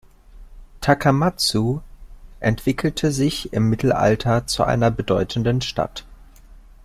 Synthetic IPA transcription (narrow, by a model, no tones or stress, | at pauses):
tʰakʰamat͡su | ʔɛntv̥ɪkl̩tʰəzɪçɪmːɪtl̩ʔa̰ltʰɐt͡suʔa̰ɪnɐbədɔʏtn̩dənʃta̰t